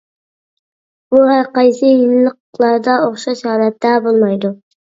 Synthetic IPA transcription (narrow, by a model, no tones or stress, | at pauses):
b̥uɦæɾqɑjsɨjɪlˠːəqlˠɑɾd̪ɑoχʃɑʃhɑlɛt̪ːɛbolˠmɑjd̪ʊ